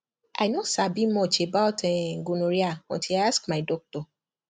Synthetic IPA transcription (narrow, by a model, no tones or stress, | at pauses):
ʔa̰ɪnosabimɔt͡ʃebaʊtɛɡunuɾiaɔ̰̃ntʰilajaskmaɪdɔk̚tɔ